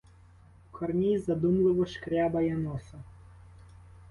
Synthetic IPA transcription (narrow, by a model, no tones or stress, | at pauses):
kʰɔrnʲizɐd̪umlˠɪʋɔʃkɾʲabɐjɐnɔsɐ